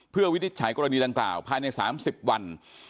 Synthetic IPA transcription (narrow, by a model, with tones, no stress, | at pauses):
pʰɯ˥˩əwi˦˥ni˦t̪̚t͡ɕʰaː˩˦jkɔː˧ɾa˧niː˧da˧ŋkla̰ː˨˩wpʰaː˧jna˧jsa̰ː˩˦msi˨˩p̚wa˧n